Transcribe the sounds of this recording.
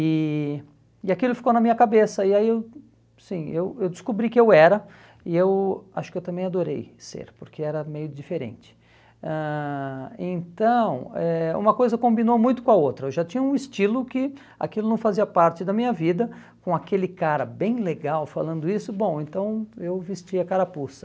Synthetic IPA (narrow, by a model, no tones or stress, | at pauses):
ɪ | ɪakilʊfi̥kownɐmĩɲɐkabesɐɪaiew | sĩewewd͡ʒɪskobɾikɪewɛɾɐ | ɪewa̰ʃʊ̥kɪewt̪ɐ̃mbẽj̃ad̪oɾḛjsḛɾpʊɾkʰeɛɾɐmejʊd͡ʒifeɾḛ̃nt͡ʃɪ̥ | ɛ̃ | ẽnt̪ɐ̃w̃ɛṵ̃mɐkojzɐkõmbinomũj̃t̪ʊkõɐowt̪ɾɐewʒat͡ʃĩɲɐũist͡ʃilʊkɪ | a̰kilʊnɐ̃w̃faziɐpaɾt͡ʃɪd̪ɐmĩɲɐvid̪ɐ | kõakelɪkaɾɐbẽj̃leɡawfa̰lɐ̃nd̪ʊisʊbõw̃ẽnt̪ɐ̃w̃ewvest͡ʃiɐkaɾapusɐ̥